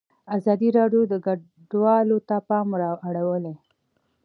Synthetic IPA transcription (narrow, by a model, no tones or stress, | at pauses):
azɑd̪iɾɑɖjod̪əɡa | ɖwɑlot̪apɑmɾɑaɽawəle